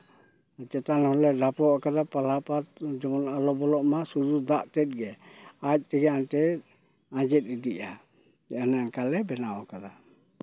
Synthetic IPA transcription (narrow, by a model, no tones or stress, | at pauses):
t͡ʃɛt̪anhɔlɛdapɔakad̪apalapat̪̚d͡ʒɔɔnalɔbɔlɔʔmasud͡ʒud̪aʔtɛt̪̚ɡɛac̚ˀt̪ɛɡɛant̪ɛ | ãd͡ʒɛt̪̚id̪iʔa | d͡ʒɛanankalɛbɛnaɔkad̪a